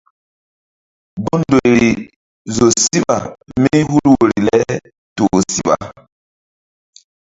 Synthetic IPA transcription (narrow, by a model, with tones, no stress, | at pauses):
ɡo˦ndo˨ɾi˨ | zo˨si˦ɓa̰˨mi˦hu˦lwo˨ɾi˨lɛ˦ | to˨si˦ɓa̰˨